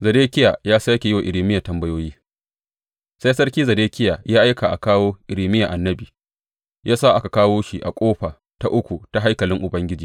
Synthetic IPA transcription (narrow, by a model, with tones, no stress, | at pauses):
zɐ˨deː˦kʲɪ˦ja˨jaː˦sa˦kʲe˨ɪ˦wa˨ʔɪ˨ɾiː˨mɪ˦ja˨tɐ˦mbɐ˦joː˦jiː˦ | sa˦jsɐ˦rkʲiː˦zɐ˨deː˦kʲɪ˦ja˨jaː˦ʔa˦jka˨ʔa̰˨kaː˦woː˦ʔɪ˨ɾiː˨mɪ˦ja˨ʔa˨nːɐ˦biː˨ | jʔaː˦saː˦˨ʔa˦ka˨kaː˦woː˦ʃi˨ʔa˨kʷʼoː˦ɸaː˨ | ta˦ʔʊ˦kʷu˨ta˨ɦa˦jkɐ˨lɪ˦ŋʔʊ˨bɐ˦ŋɡʲɪ˦d͡ʒiː˨